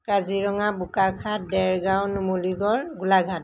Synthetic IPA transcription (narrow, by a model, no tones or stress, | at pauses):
kaziɹɔŋabukakʰat̚dɛɹɡawnumoliɡɔɹɡulaɡʱat